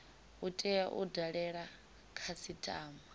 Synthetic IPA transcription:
utʼɛjaʔudaɺɛɺa | kʰasitʼaːma

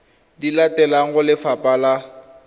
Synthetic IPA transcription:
dilatʼɛlaŋ̩ɣʊlɪfapʼala

